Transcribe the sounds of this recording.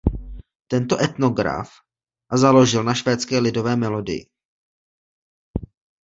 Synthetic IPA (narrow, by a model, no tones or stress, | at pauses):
t̪ɛnt̪o̞ʔɛt̪no̞ɡɾa̰f | zalo̞ʒɪlnaʃvɛːt͡skɛːlɪdo̞vɛːmɛlo̞dɪ̰jɪ̰